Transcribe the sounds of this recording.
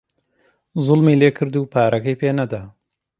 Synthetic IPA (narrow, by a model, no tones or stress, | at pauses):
zʊlmiːleːkʰɨɾd̪uːpʰaːɾʔɐkɐjpeːnɐd̪a